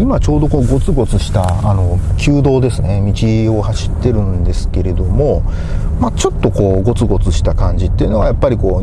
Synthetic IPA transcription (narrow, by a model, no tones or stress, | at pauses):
imat͡ɕo̞ːd̪o̞ko̞ːɡo̞t͡sɨɡo̞t͡sɨɕi̥t̪aano̞kʲʰɨːd̪o̞ːd̪e̞sɨne̞mʲit͡ɕio̞haɕi̥t̪ːe̞ɾɯ̟̃nd̪e̞sɨ̥ke̞ɾe̞d̪o̞mo̞ | mat͡ɕo̞t̪ːo̞ko̞ːɡo̞t͡sɨɡo̞t͡sɨɕi̥t̪akãɲd͡ʑit̪ːe̞iɯ̟no̞ɡajapːaɾʲiko̞ː